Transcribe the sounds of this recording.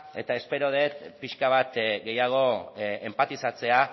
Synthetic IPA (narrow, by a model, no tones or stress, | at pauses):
e̞t̪ae̞spe̞ɾo̞ð̞e̞t̪piʃkaβ̞at̪ɡe̞jaɣ̞o̞empat̪isat͡se̞a